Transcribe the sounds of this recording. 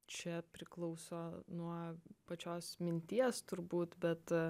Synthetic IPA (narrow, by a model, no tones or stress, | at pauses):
t͡ʃʲɛpʲɾʲɪklˠɐʊsoːnuɔpɐt͡ʃʲoːsmʲɪnʲt̪ʲiɛst̪ʊɾbuːt̪bʲɛt̪